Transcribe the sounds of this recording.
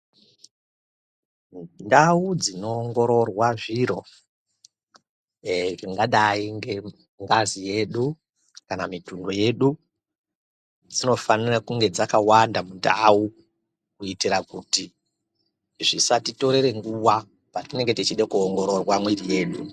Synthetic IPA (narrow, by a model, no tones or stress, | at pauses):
ndaud͡zino̞ːŋɡo̞ɾo̞rwaʐiɾo̞ | ʐiŋɡaɗaiŋɡe̞ | ŋɡazije̞ɗu | kanamitundo̞je̞ɗu | d͡zino̞fanirakuŋɡe̞d͡zakawandamundau | kuitiɾakuti | ʐisatito̞ɾe̞ɾe̞ŋɡuwa | patine̞ŋɡe̞tit͡ʃiɗekuoŋɡo̞ɾo̞rwamwirije̞ːɗu